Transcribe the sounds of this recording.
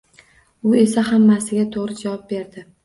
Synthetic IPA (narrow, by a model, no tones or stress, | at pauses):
ʊe̞sahamːasɪɡʲat̪ʰoʁɾɪd͡ʒavɒp̚be̞ɾd̪ɪ